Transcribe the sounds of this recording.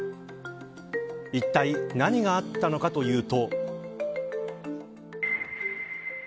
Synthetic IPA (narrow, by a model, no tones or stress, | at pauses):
it̪ːainaɲ̟iɡaːt̪ːano̞kat̪o̞jɯ̟ːt̪o̞